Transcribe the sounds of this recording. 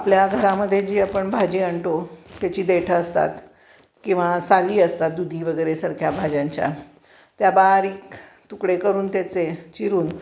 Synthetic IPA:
apljaɡʱəɾaməd̪ʱːjed͡ʑiːapəɳbʱad͡ʑiːəɳʈot̪jat͡ɕiːd̪eʈʰəːst̪a̰t̪ | kĩw̃ʋasaliːəst̪at̪̚d̪ud̪ʱiːʋəɡəjɾesəɾkʰjabʱad͡ʑãɲt͡ɕja̰ | t̪jabaɦɾiːk | t̪ukɽekəɾuːnt̪jat͡set͡ɕiɾuːn

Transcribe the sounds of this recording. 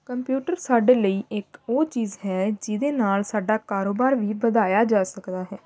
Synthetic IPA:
kəmpjuːʈəɾsaːɖeːləiːʔɪkoːt͡ʃiːzɦɛːd͡ʒɪd̪eːnaːlsaːɖaːkaːɾoːbaːɾʋiːbəd̪aːjaːd͡ʒaːsəkd̪aːɦɛː

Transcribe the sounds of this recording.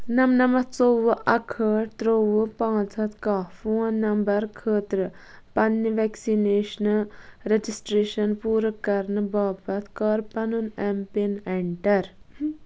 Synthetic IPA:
nɐmnɐmɐt̪t͡soʋɨʔɐkʰəːʈt̪ɾoʋɨpãːt͡sʰɐt̪kaːfuːnːɐmbɐɾkʰəːt̪ɾɨ | pɐnːiʋeksineːʃnɨɾed͡ʒisʈɾeːʃɐnpuːɾɐkːɐɾnɨbaːpɐt̪kɐːɾpɐnunɛmpineɳʈɐɾ

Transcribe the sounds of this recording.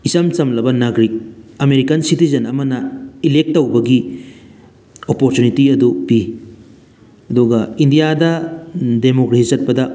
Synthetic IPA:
isɐmt͡ʃɐmlɐbɐnaɡɾik̚ɐmeɾikɐnsitizɐnɐmɐnɐilek̚tːɐwbɐɡi | opoɾtunitiɐdupi | ɐduɡɐindijadɐdemokɾesit͡ʃɐt̚pɐdɐ

